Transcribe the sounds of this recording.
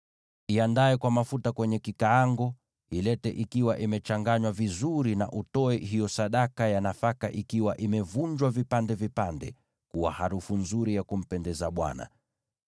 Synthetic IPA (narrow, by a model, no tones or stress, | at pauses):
iandaɛkwamafutakwɛɲɛkikaaŋɡɔ | ilɛtɛʔikiwaʔimɛt͡ʃaŋɡaɲwavizuɾina̰ʔutɔɛɦijɔsaɗakajanafaka̰ʔikiwaʔimɛvuɲd͡ʒwavipandɛvipandɛ̰ | kuwa̰haɾufunzuɾijakum̩pɛndɛzaɓwa̰na̰